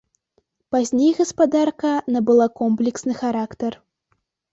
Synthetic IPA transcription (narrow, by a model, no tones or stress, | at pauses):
pazʲnʲejɣɐspad̪arkɐnɐbɨlˠakɔmplʲɛksnɨxaɾakt̪ɐr